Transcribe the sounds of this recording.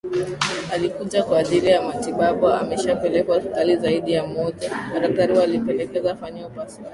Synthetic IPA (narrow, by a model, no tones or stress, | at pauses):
alikuʄakwaːʄilijamatiɓaɓuamɛʃapɛlɛkwahalizaiɗijamɔʄakaɾak̚taɾiwalipɛlɛkɛzafaɲaupasi